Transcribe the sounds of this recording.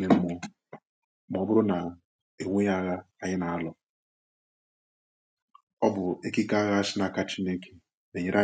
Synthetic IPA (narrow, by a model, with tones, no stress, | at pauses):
me˨m̩˦mo˨˦ | mɔ˨˦bʊ˦ɾʊ˦na˨ | e˨ŋʷe˦ja˦ɣa˦a˦ɲɪ˦na˨a˦lɔ˨ | ɔ˦bʊ˨e˦ki˦ka˦a˦ɣa˦a˦sɪ˦na˨ka˦t͡ʃi˦ne˦ke̥˨ | me˨ɲe˦ɾʔa˦